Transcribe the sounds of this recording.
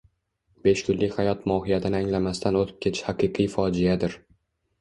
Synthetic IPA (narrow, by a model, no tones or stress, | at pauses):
b̥e̞ʃkʰʊnlɪkʲhajɒt̪mɒhɪjat̪ʰɪnɪaŋlamast̪anot̪ʰɪ̥p̚kʲʰe̞t̪ʰhaqʰɨjqʰɨjfɒd͡ʒɪjad̪ɪɾ